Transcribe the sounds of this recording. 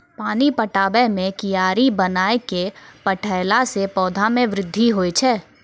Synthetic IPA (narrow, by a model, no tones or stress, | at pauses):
paːnipəʈaːbɛmẽkɪjaːɾibɐnaːekepəʈʰəːlasepɔːd̪ʱamẽʋɾɪd̪ʱːiɦoːet͡ʃʰɛː